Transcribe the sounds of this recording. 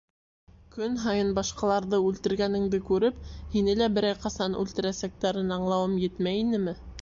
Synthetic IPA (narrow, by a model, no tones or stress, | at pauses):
kɵnɦɑjɤnbɑʃqɑlˠɑɾðɤʉlt̪ɘ̆ɾɡænɘ̆ŋd̪ɘkʉɾɘphinɘlæbɘ̆ɾæjqɑsɑnʉ̰lt̪ɘ̆ɾæsæk̚t̪æɾɘnɑɴlˠɑwɤmjɘt̪mæjinɘmɘ